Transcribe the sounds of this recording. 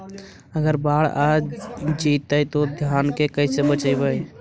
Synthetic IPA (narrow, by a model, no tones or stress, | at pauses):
əɡəɾbaɽad͡ʒit̪əjt̪od̪ʱjankekəɪsebət͡ʃəɪbəj